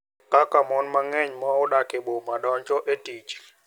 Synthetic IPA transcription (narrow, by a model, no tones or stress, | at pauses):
kʼakʼamɔnmaŋɛɲmɔuɗakʰʼɛɓɔmaɗɔnt͡ʃʼɔʔetʼiːt͡ʃʼi̥